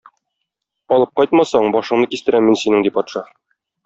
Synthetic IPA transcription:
ɒlˠɤp̚qɒjt̪mɑsɑɴbɒʃɤ̆ɴnɤkist̪ɘ̆ɾæmːinsinɘŋd̪ipɒt̪ʃɑ

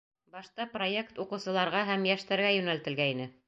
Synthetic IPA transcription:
bɑʃt̪ɑpro̞je̞kt̪uqɤ̆wsɤ̆lˠɑɾʁɑɦæmjæʃt̪æɾɡæjɵ̆nælt̪ɘ̆lɡæinɘ

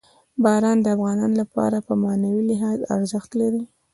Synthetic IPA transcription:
bɑɾɑnd̪əafɣɑnɑnolapɑ̰ɾapəmɑnawilɪɦɑza̰ɾzəxt̪laɾi

